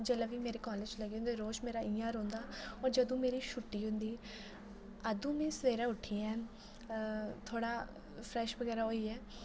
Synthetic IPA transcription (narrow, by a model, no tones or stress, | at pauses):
d͡ʒəːlaːʋiːmeːɾeːkɔːled͡ʒləɡeːɦʊnd̪eːɾoːʃmeːɾaːɪːãːɾõːnd̪aːɔːɾd͡ʒəd̪õːmeːɾiːʃʊʈːiːɦʊ̃nd̪iː | əd̪ũːmɛ̃ːsəʋeːɾãːʊʈʰiːɛ̃ː | t̪ʰoːɽaː | pʰɾɛːʃʋəɡɛːɾaːɦoːiːɛː